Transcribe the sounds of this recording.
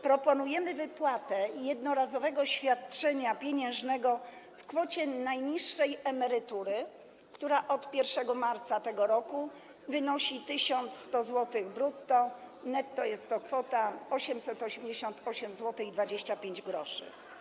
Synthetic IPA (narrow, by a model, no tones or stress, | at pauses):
pɾɔpɔnujɛmɘvɘpwat̪ɛjɛd̪nɔɾazɔvɛɡɔɕfʲjat̪̚t͡ʂɛɲapʲjeɲɛ̃ʐnɛɡɔ | fkfɔt͡ɕɛnajɲiʂːɛjɛmɛɾɘt̪uɾɘ | kt̪uɾaʔɔt̪pʲjɛɾfʂɛɡɔmaɾt̪sat̪ɛɡɔɾɔku | vɘnɔɕit̪ɘɕɔnt̪sst̪ɔzwɔt̪ɘɣbɾut̪ːɔnɛt̪ːɔjɛst̪ːɔkfɔt̪aɔɕɛmsɛt̪ɔɕɛmd͡ʑeɕɔnt̪ɔɕɛmzwɔt̪ɘxid̪vad͡ʑeɕt͡ɕapʲjeɲd͡ʑɡɾɔʂɘ̰